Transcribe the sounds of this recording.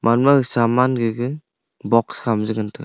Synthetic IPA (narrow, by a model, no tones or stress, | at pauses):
mʔanmasamanɡɯɡɯ | bɔkskʰamzɯɡɯntʰɯ̰